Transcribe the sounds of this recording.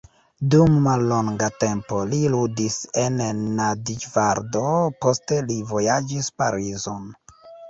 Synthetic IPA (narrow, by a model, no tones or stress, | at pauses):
dumːalːo̞ŋɡate̞mpo̞liludise̞nːadid͡ʒvaɾdo̞po̞ste̞livo̞jad͡ʒispaɾizo̞n